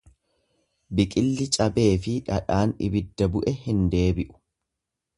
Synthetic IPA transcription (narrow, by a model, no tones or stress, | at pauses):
bɪkʼɪlːɪt͡ʃʼɐbe̞ːfɪᶑɐᶑaːnɪ̰bɪd̪ːɐbʊʔɛhɪnd̪e̞ːbɪʔʊ̥